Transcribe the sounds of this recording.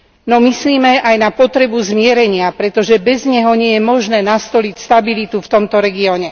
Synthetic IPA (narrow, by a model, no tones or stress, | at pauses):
nɔmisliːmɛajnapɔt̪ɾɛbuzmɪɛɾɛɲɪapɾɛt̪ɔʒɛbɛzɲɛɦɔɲɪɛjɛmɔʒnɛːnast̪ɔlicst̪abilit̪uft̪ɔmt̪ɔɾɛɡiɔɲɛ